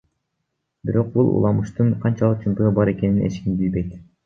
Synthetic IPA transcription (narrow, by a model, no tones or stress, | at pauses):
biɾo̞q̚bulˠṵlˠɑmuʃt̪ɯɴqʰɑnt͡ʃɑlˠɯq̚t͡ʃʰumt̪øʁɯbɑɾe̞ke̞ninʔet͡ʃkimbilbe̞jt̪